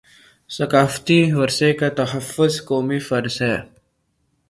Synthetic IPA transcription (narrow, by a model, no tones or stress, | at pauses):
sɐkaːft̪iʋɐɾsekat̪ɐɦəfːʊzkoːmifɐɾzɦɛː